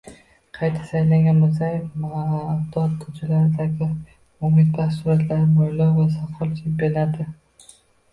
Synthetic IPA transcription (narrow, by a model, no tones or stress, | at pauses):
qʰɑjt̪ʰḁsajlaŋɡʲanbos̬ajfmaaːd̪at̪̚kʰʊt͡ʃʰalaɾɪd̪aɡʲɪ | ʊmɪd̪̚basʊɾat̪ʰlaɾɪmojlɒwvasaqʰːɒlˠt͡ʃʰembelad̪ɪ